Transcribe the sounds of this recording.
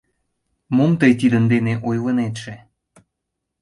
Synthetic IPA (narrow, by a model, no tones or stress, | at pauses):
momt̪əjt̪id̪ənd̪eneʔojlənet̪ʃe